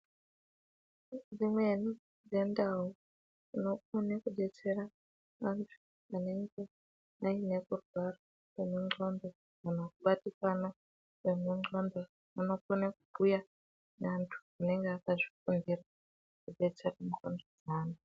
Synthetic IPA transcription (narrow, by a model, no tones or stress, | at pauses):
d͡zimwe̞ni | d͡ze̞ndaɦu | ino̞konekuɗe̞t͡se̞ra | ʋantʰu̥ | ane̞ŋɡe̞ | aine̞kurwaro | emeŋ͡ǃondo | anakuɓatikana | wemuŋ͡ǃondo | anokonakubuja | nantʰu̥ane̞ŋɡeakaʐikundira | kuɗe̞t͡seramkondod͡zaːna